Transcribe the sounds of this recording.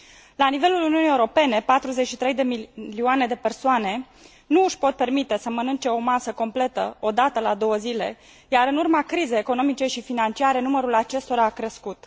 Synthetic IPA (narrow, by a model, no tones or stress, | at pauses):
lanive̞luluniunijeuɾo̞pe̞ne̞pat̪ɾuze̞t͡ʃʲʃit̪ɾe̞jd̪emiliuane̞d̪e̞pe̞rsoane̞ | nuːʃpo̞t̪̚pe̞rmit̪e̞səmənɨnt͡ʃe̞o̞masəko̞mple̞t̪ə̰o̞d̪at̪əlad̪o̞wəzile̞ | jaɾɨnurmakɾizejeko̞no̞mit͡ʃe̞ʃifinant͡ʃiaɾe̞numəɾulat͡ʃe̞st̪o̞ɾaːkɾe̞skut̪